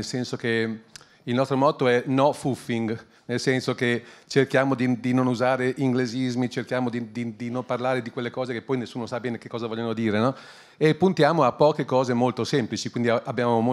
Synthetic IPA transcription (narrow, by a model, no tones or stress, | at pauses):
elsɛnsoke | ilnɔst̪ɾomɔːt̪oɛnɔfufːiŋɡ | nelsɛnsoket͡ʃerkjaːmod̪id̪inonuzaːɾeʔiŋɡlezizmit͡ʃerkjaːmod̪id̪id̪inomparlaːɾed̪ikwelːekɔːzekepːɔjnesːuːnosabɛːneke̥kːɔːzavɔʎːjonod̪iːɾenɔ | epːunt̪jaːmoapːɔːkekɔːzemolt̪osemplit͡ʃikwind̪iaabːjaːmomo